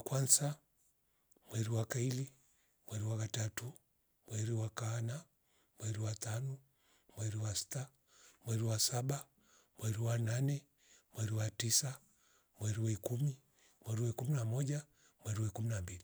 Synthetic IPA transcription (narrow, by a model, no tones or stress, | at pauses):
akwansa | mwɛɾiwakaili | mwɛɾiwakatatu | mwɛɾiwakana | mwɛɾiwat̪anɔ | mwɛɾiwasi̥ta | mwɛɾiwasaɓa | mwɛɾiwananɛ | mwɛɾiwatisa | mwɛɾiwɛkumi | mwɛɾiwɛkuminamɔʄa | mwɛɾiwɛkuminambili